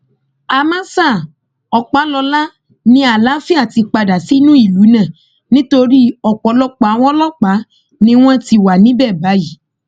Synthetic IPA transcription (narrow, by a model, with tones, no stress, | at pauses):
a˧mã˦sa˦˨ | ɔ˨k͡pa˨˦lɔ˧la˦ | nĩ˧˦a˨la˦fi˦a˦˨ti˧k͡pa˧da˨si˨˦nũ˦i˦˨lu˨˦nã˦˨ | nĩ˦to˧ɾi˦ɔ˨k͡pɔ˨˦lɔ˦k͡pa˨˦w̃ɔ̃˦lɔ˦k͡pa˨˦ | nĩ˦w̃ɔ̃˦ti˧wa˨nĩ˨˦bɛ˦˨ba˨˦ji˨